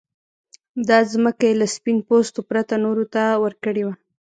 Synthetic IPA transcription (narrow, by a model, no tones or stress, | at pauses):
d̪ɑzməkajelaspin̚post̪opɾat̪anoɾot̪awəɾkəɽewa